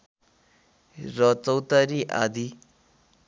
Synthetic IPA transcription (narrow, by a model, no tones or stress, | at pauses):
rʌt͡sʌwt̪aɾiʔa̰d̪i